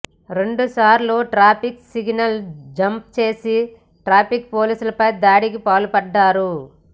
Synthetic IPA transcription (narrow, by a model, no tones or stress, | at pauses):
ɾe̞ɳɖusaːɾlo̞ːʈɾaːpʰiksiɡnɐld͡ʒɐmp̚t͡ʃe̞ːsi | ʈɾaːpik̚po̞ːliːsulɐpɐjd̪aːɽikipaːlupɐɖːaːɾu